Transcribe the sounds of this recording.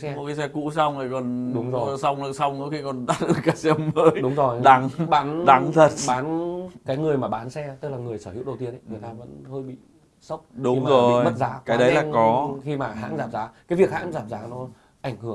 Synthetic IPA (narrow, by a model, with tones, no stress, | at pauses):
sɛ˧mo˨˩t̚kaː˨˦jsɛ˧kṵ˧˥sa˧wŋ͡mə˨˩kɔ˨˩nɗʊ˨˦ŋ͡mzo˨˩˧sa˧wŋ͡mlɨ˧˩sa˧wŋ͡mnɨ̰˧˥xi˧kɔ˨˩nɗaː˦˥t̚ɗɨ˨˧˩kaː˨˦sɛ˧mməː˨˦jɗʊ˨˦ŋ͡mzo˨˩jɗa˨˦ŋɓaː˨˦nɗa˨˦ŋt̪ʰə˨˩t̚ɓaː˨˦nkaː˨˦jŋɨ˨˩əjmaː˨˩ɓaː˨˦nsɛ˧t̪ɨ˦˥k̚laː˨˩ŋɨ˨˩əjsəː˧˩hḭ˧˥əwɗə˨˩wt̪i˧ənʔə˧˦ŋɨ˨˩əjt̪aː˧və̰˧˥nhəː˧jɓḭ˧˨ | sə˦˥wk͡p̚ɗʊ˨˦i˧ŋ͡mazo˨˩˨jmə˦˥t̚zaː˨˦kaː˨˦jɗə˨˦jlaː˨˩kɔ˨˦xi˧maː˨˩ɦa̰ː˧˥nzaː˨˩p̚zaː˨˦kaː˨˦jvi˨˩ək̚haː˧˥n˦zaː˨˩p̚zaː˨˦nɔ˨˦ | ʔa˧˩jŋ̟hɨ˧˩ə